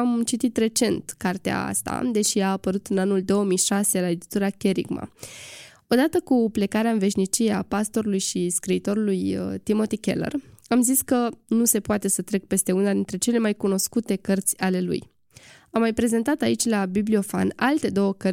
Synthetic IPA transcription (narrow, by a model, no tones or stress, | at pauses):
amt͡ʃit̪it̪re̞t͡ʃe̞nt̪kart̪ea̰a̰st̪a̰d̪e̞ʃiaːpəɾut̪ɨnanuld̪o̞omijʃase̞laed̪it̪uɾakʲe̞ɾḭɡma̰ | o̞d̪at̪əkuple̞kaɾeaɨnve̞ʃnit͡ʃije̞apast̪o̞ɾulujʃiskɾiːt̪o̞ɾulujət̪imo̞t̪ikʲe̞̰lə̰ramziskənuse̞poat̪e̞sət̪ɾe̞k̚pe̞st̪e̞unad̪int̪ɾe̞t͡ʃe̞le̞majkuno̞skut̪e̞kərt̪sʲale̞lṵj | amːajpɾe̞ze̞nt̪at̪ait͡ʃʲlabiblio̞fa̰nalt̪e̞d̪o̞wəkə